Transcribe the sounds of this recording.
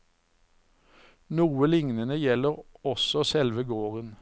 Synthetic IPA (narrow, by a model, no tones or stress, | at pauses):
nuːəlɪŋnənəjɛləʁɔsɔsɛlʋəɡoːʁən